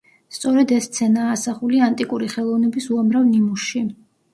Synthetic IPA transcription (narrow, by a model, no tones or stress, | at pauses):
st̪sʼɔɾɛd̪ɛst̪sʰɛnaːsaχuliant̪ʼikʼuɾiχɛlˠɔvnɛbisuamɾavnimusʃi